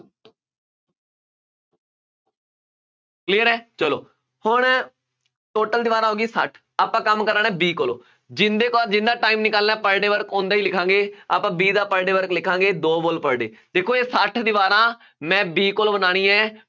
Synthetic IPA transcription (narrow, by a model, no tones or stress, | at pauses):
kliːəɾɛːt͡ʃəlo̰ː | hʊɳ | ʈoːʈəld̪ɪːʋaːɾãːɦoːɡiːsəʈʰ | aːpãːkəmkəɾəːnɛ̃ːbiːkoːlo̰ː | d͡ʒɪnd̪eːkɔːd͡ʒɪnd̪aːʈaːiːmnɪkəːlnaːpəɽɖeːʋəɾkʰõnd̪aːiːlɪkʰãːŋɡeːa̰ːpãːbiːd̪aːpəɽɖeːʋəɾklɪkʰãːŋɡeːd̪oːboːlpəɽɖḛː | d̪̥eːkʰoːeːsəʈʰd̪ɪːʋaːɾãː | mɛ̃ːbiːkoːloːbənaːɽ̃ĩːɛː